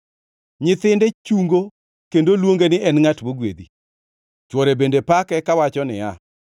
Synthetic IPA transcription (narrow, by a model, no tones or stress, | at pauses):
ɲɪt̪ɪndɛt͡ʃuŋɡo | kendolwoŋɡenɪʔɛnŋatwoɡwed̪i | t͡ʃwɔɾebendepakɛkawat͡ʃɔnɪ̰a